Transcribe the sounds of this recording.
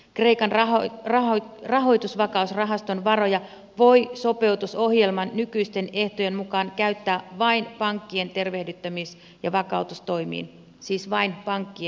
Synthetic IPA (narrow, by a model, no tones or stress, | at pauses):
kre̞ikɑnɑorɑorɑɦo̞jt̪usʋɑkɑusrɑɦɑst̪o̞nʋɑro̞jɑ | ʋo̞jso̞pe̞wt̪uso̞ɦje̞lmɑnːykyist̪e̞ne̞ht̪oje̞nmukɑːnkæyt̪ːæːʋɑinpɑŋkːie̞nt̪e̞rʋehdyt̪ːæmis | jɑʋɑkɑut̪ust̪o̞imḭːn | siːsʋɑinpɑŋkːie